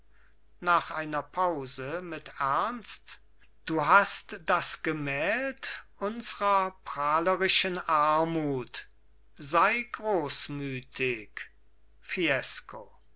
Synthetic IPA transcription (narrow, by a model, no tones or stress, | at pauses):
naːχʔaɪnɐpʰaʊzəmɪtæɐnst | d̥uːɦastd̥asɡ̥əmɛːltʔʊnzəʁɐpʁ̥aːləʁɪʃənʔaɐmuːt | zaɪɡʁoːsmyːtʰɪk | fiɛsko